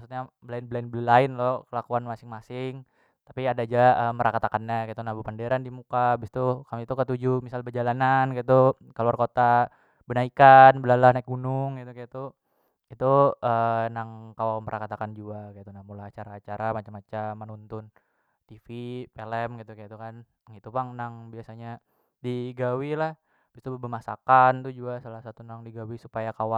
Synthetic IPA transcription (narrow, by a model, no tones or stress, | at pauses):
maksut̪̚ɲabəlaɪnbəlaɪnbələlaɪnlɔkəlakuanmasɪŋmasɪŋ | t̪apiadad͡ʒaəməɾʔakat̪akanɲakajat̪unabupandeɾandimukabist̪ukamit̪ukət̪ud͡ʒumisalbəd͡ʒalanankait̪u | kəaluarkot̪a | bənaikanbəlalahnaik̚ɡunʊŋɡit̪ukajat̪u | it̪uənaŋkawampəɾʔakat̪akand͡ʒuakajat̪unahmulaat͡ʃaɾaːt͡ʃaɾamat͡ʃamat͡ʃamːənunt̪ʊn | t̪ifipelɛmɡit̪ukajat̪ukan | ɡit̪upaŋnaŋbiasaɲa | diɡawilah | bist̪ubbəmasa̰kant̪ud͡ʒuɡasalahsat̪unaŋdiɡawisu̥pajakawa